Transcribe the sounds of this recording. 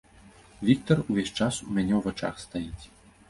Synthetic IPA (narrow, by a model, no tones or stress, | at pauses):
vʲik̚t̪ɔruvʲeɕʲt͡ʂasumʲanʲɛwvat͡ʂa̰xst̪ajit͡sʲ